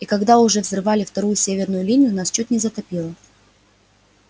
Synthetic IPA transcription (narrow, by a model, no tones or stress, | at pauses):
ikɐɡd̪aʊʐɛvzrɨvalʲɪft̪ɐɾujʊsʲevʲɪrnʊjʊlʲinʲɪjʊnast͡ɕot̪ʲnʲɪzət̪ɐpʲilˠə